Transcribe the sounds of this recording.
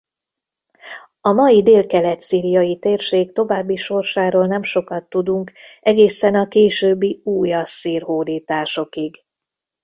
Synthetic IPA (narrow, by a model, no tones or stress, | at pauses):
ɒmɒjid̪eːlkɛlɛt̪siːɾijɒjit̪eːrʃeːkt̪o̞vaːbːiʃo̞rʃaːɾoːlnɛmʃo̞kɒt̪ːud̪uŋkɛɡeːsɛnɒkeːʃøːbːiuːjɒsːiːrɦoːd̪iːt̪aːʃo̞kiɡ